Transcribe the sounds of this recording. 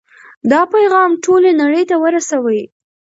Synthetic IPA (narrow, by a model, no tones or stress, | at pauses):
d̪ɑpajɣɑmʈʰolenaɽəjt̪awəɾasawəj